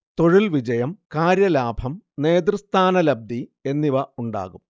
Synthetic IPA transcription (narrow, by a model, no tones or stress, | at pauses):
t̪o̞ɻilʋid͡ʑɐjɐmkaːɾjɐlaːbʱɐmne̞ːd̪rust̪ʰaːnɐlɐb̚d̪ie̞nːiʋɐuɳɖa̰ːɣum